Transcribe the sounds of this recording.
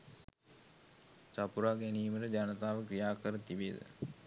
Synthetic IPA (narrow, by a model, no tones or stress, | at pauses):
t͡ʃapuɾaːɡæniːməʈəd͡ʒanət̪aːʋəkrijaːkəɾət̪ibed̪ə̰